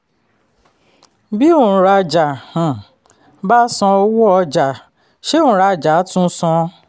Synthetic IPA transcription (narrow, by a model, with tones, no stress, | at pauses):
bi˦o˦˨ɾa˧d͡ʒa˨hã˨ | ba˦sɔ̃˧ɔ˧wu˦ɔ˧d͡ʒa˨ | ʃe˦õ˦˨ɾa˧d͡ʒa˨˦tũ˦sɔ̃˧